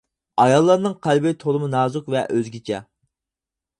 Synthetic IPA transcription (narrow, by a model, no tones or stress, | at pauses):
ɑjɑlˠːɑɾnɨŋqʰælbejt̪ʰolˠɨmɨnɑːzʊkvɛʔøzɡʲit͡ʃʰɛ̰